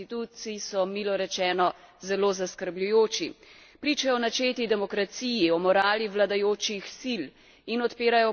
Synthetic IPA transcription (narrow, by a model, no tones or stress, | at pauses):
it̪ut̪sisɔmiːlɔɾɛt͡ʃɛːnɔ | zɛloːzaskəɾblʲujoːt͡ʃi | pɾit͡ʃajɔnat͡ʃeːt̪id̪ɛmɔkɾat̪siːjiɔmɔɾaːliʋlad̪ajoːt͡ʃixsil | inɔt̪peːɾajɔ